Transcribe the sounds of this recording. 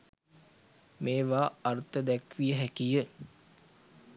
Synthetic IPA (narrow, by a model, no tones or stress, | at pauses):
meːʋaːrt̪əd̪ækʋijəɦækijə